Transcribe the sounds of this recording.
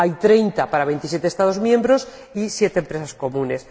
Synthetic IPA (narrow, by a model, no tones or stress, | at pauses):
ajt̪ɾe̞jnt̪apaɾaβ̞ent̪isje̞t̪est̪að̞o̞zmjẽ̞mbɾo̞s | isje̞t̪empɾesasko̞mũne̞s